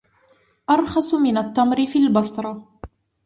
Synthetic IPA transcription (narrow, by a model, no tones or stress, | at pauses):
ʔɑɾˤxɑsˤmɪnat̪ːamɾɪfiːlbɑsˤɾˤɑ